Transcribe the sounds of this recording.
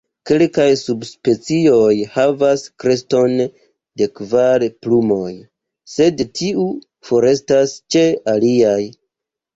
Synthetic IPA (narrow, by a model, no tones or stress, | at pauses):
ke̞lkajsubspe̞t͡sio̞jhavaskɾe̞sto̞n | de̞kvaɾplumo̞j | se̞dtʰiu | fo̞ɾe̞stast͡ʃe̞aliaj